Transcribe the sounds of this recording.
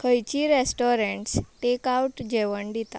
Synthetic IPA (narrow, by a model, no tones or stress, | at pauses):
kʰəjt͡ɕiɾesʈoɾeɳʈsʈekauʈd͡ʑeʋəɳd̪it̪a̰